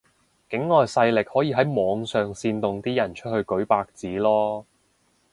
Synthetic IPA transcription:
kɪ˨˥ŋːɔː˨˧jsɐ˧jlɪ˨k̚hɔː˨˥jiː˧ɦɐ˨˥jmɔː˨˧ŋsœː˨ŋsiː˧nt̪ʊ˨ŋt̪iː˥jɐ˨˩nt͡ʃʰɵ˥t̚hɵ˧ɥkɵ˨˥ɥpaː˧k̚t͡siː˨˥lɔː˥

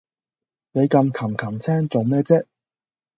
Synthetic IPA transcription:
ne˨˧jkɐ˧mkʰɐ˨˩mkʰɐ˨˩mt͡sʰɛː˥ŋt͡so˨wmɛː˥t͡sɛː˥

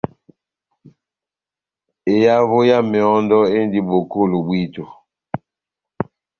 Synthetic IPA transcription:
e˨ja˦vo˦ja˦me˨ɔ˦ndɔ˦e˦n˦di˦bo˨ko˦˨lo˨bwi˦˨to˨

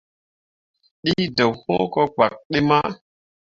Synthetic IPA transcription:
ɗi˦do˨who˦kɔ˦ɡ͡ba˨k̚ɗi˦ma˦

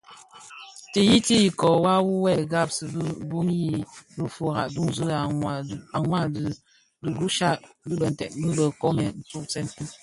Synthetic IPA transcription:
ti˨ji˦ti˦ji˨kɔ˨wa˦wu˦wɛ˦˨ɡa˦˨p̚sə˨bə˦bu˦mji˦bə˦fu˨ɣa̰˨ʔdu˦ŋ˦zə˦˨a˨ŋwa˦˨ | du˨ɡu˦ʃa˦ʔdɨ˦bə˨n̩˨tɛ̰˨ʔbə˦bə˨kɔ˦mɛ˨n̩˦t͡su˦ʔt͡sɛ˦nti˦

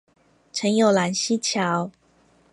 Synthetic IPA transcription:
ʈ͡ʂʰə˧˥ŋjo˨˩ʊla˨˩nɕi˥t͡ɕʰjɑ˨˦ʊ

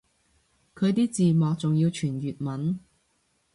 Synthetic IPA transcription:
kʰɵ˨˧jt̪iː˥t͡siː˨mɔː˨k̚t͡sʊ˨ŋjiː˧wt͡ʃʰyː˨˩njyː˨t̚mɐ˨˥n

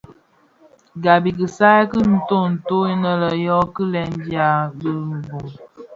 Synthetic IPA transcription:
ɡa˨bi˨k̬i˨sa˦kə˦n̩˦to˦˨n̩˨to˦i˦nə˦lə˨jɔ˦kə˦lɛ˦n˦di˦a˨bə˦˨m̩˨bu˨m

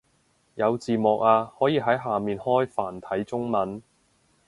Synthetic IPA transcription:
jɐ˨˧wt͡siː˨mɔ˨k̚aː˧hɔː˨˥jiː˨˧ɦɐ˨˥jɦaː˨miː˨nhɔː˥jfaː˨˩nt̪ʰɐ˨˥jt͡sʊ˥ŋmɐ˨˥n

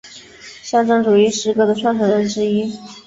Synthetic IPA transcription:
ɕjɑ˥˧ŋʈ͡ʂɤ˥ŋʈ͡ʂu˨˩i˧˥ʂɻ̩˧˥kɤ˥˩d̪ə˨ʈ͡ʂʰwa˥˩nʈ͡ʂʰɤ˨˩ɻə˧˥nʈ͡ʂɻ̩˥i˥

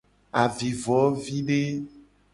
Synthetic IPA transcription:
a˨vi˨vɔ˨˦vi˦ɖe˦

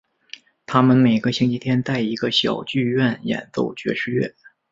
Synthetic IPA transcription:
t̪ʰa˥mə˨nme˨˩ɪɡə˧ɕi˥ŋt͡ɕʰi˥t̪ʰjɛ˥nt̪a˥˩ɪi˧˥ɡə˧ɕjɑ˨˩ʊt͡ɕy˥˧ɥɛ˥˩njɛ̰˨˩nt͡s̪o˥˩ʊt͡ɕɥɛ̰˧˥ʂɻ̩˥˧ɥɛ̰˥˩

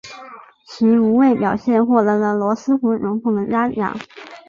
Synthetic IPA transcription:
t͡ɕʰi˧˥u˧˥we˥˩ɪpjɑ˨˩ʊɕjɛ˥˧nxwɔ˥˩d̪ɤ˧˥lə˧lwɔ˧˥sɹ̩˥pu˧˥ɻʊ˧˥ŋt̪ʰʊ˨˩ŋd̪ə˨˩ja˥jɑ̰˨˩˦

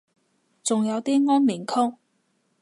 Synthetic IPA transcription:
t͡sʊ˨ŋjɐ˨˧wt̪iː˥ŋɔː˥nmiː˨˩nkʰʊ˥ŋ̚

